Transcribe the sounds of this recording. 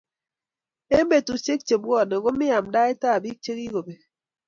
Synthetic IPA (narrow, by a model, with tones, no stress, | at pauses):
e˦m˦be˨tu˨t͡ʃe˦k̚t͡ʃe˨bwɔ˦˨ne˨ɡo˦mi˦ja˨mda˦e˦ta˦˨bi˦k̚t͡ʃe˦ki˦ɡo˨be˨